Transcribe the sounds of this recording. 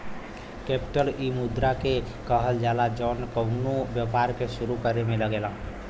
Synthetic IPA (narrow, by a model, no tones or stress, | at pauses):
kepi̥ʈəlimud̪ɾake | kəɦəld͡ʒalad͡ʒənkənobjəpaɾkesuɾukəɾemeləɡelã